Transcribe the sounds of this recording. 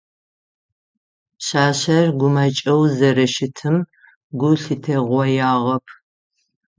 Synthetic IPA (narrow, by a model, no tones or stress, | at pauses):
ɕaːɕɐrɡʷʊmɐt͡ʃʼɐwzɐɾɐʃɪtʰɨm | ɡʷʊɬɨtʰeʁʷɔjaːʁɐpʰ